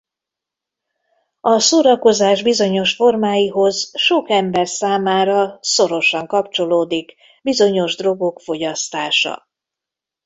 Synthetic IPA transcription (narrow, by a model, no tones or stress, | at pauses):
ɒsoːɾɒko̞zaːʒbizo̞ɲo̞ʃfo̞rmaːjiɦo̞zʃo̞kɛmbɛrsaːmaːɾɒso̞ɾo̞ʃɒŋkɒpt͡ʃo̞loːd̪ik | bizo̞ɲo̞ʒd̪ro̞ɡo̞kfo̞ɟɒst̪aːʃɒ̰